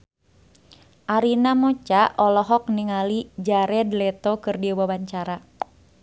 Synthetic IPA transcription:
ʔaɾinamɔt͡ʃaʔɔlɔɦɔk̚niŋalid͡ʒaɾɛdlɛt̪ɔkɨrdiɔwawaɲt͡ʃaɾa

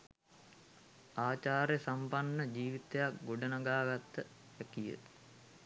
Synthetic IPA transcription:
aːt͡ʃaːɾjəsampanːəd͡ʒiːʋit̪ejakɡoɖənaɡaːɡat̪ːə | ʋækijə̰

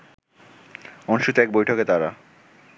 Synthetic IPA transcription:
ɔnʃut̪ɛk̚bojʈʰoket̪aɾa

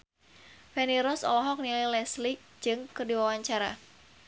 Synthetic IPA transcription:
fɛniɾɔsɔ̰lɔɦɔk̚nilajlɛslik̚d͡ʒɨŋkərdiwawaɲt͡ʃaɾa̰

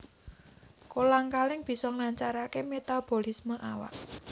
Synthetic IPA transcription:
kolaŋkalɪŋb̥i̤sɔŋlaɲt͡ʃaɾakemet̪ab̥o̤lisməʔawa̰ʔ

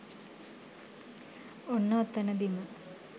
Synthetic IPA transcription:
onːɐːt̪ːɐnɐd̪imɐ

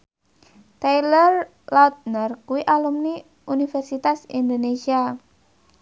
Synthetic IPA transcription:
t̪ejlər | lawt̪̚nərkuwiʔalumni | unifɛrsit̪asind̪onesia

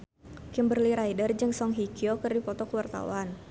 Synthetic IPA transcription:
kɪmbərliɾajdərd͡ʒɨŋsɔŋɦikiokərdipɔt̪ɔkəwart̪a̰wan

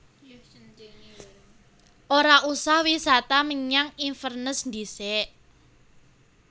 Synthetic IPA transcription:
ʔoɾaʔusahwisat̪aməɲaŋinfərnəsnd̪isɛʔ

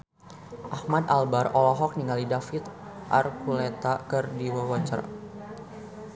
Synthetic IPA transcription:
ʔahmad̪albarɔlɔɦɔk̚niŋalidafɪt̪̚ʔa̰rkulɛt̪akərdiwawat͡ʃə̰r

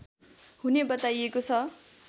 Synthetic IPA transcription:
hunebʌt̪ajekot͡sʰʌ

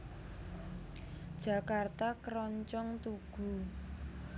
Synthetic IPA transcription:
d̥ʒ̥ä̤kart̪akəɾɔɲt͡ʃɔŋt̪uɡ̥ṳ

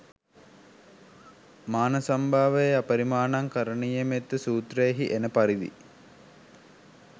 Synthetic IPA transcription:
maːnəsambʱaːʋəjeapəɾimaːnaŋkəɾəɳijemet̪ːəsuːt̪rejːɦiʔenəpaɾid̪ḭ

